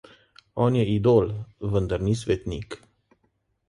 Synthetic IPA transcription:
ɔnʲjeid̪olvɨnd̪ərnisvet̪nik

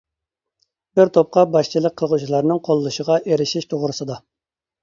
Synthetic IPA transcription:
bɪɾt̪ʰop̚qɑbɑʃt͡ʃʰilˠək̚qʰːəlˠʁut͡ʃʰilˠɑɾnɨŋqʰolˠːuʃəʁɑʔeɾɪʃiʃt̪ʰoʁɾɨsɨd̪ɑ

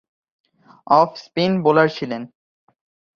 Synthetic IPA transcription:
ɔfspinbolaɾt͡ɕʰilen

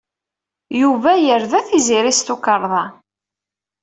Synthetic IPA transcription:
juvæjəɾðæθiziɾist̪ukəɾˤðˤɑ

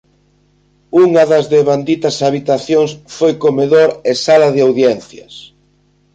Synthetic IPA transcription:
uŋɐðɐzðeβand̪it̪ɐsaβit̪aθjoŋsfojkomeðoɾesalɐðɪawðjɛn̟θjɐs

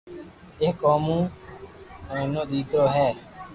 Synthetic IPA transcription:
eɦkoːmũː | ẽːnõːɗ̪iːkɾoːɦɛː

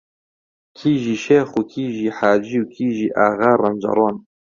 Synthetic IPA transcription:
kʰiːʒiːʃeːxukʰiːʒiːħaːd͡ʒiːukʰiːʒiːʔaːɣaːrˤɐ̰md͡ʒɑ̰ɾˤoːn

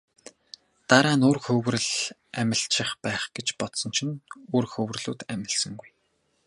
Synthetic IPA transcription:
t̪aɾaːnorxɵwrɘ̆ɮ | æmʲɪ̆ɬʃɪ̆χpæːχɡ̥et͡ɕpɔt̪sɞ̆nt͡ɕʰĭnoːrxɵw̆rɮuːt̪æmʲɪ̆ɮsə̆ŋɡuj

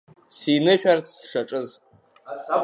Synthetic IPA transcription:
sinɨʃʲᶣart͡sʰsʂaʈ͡ʂʼɨz

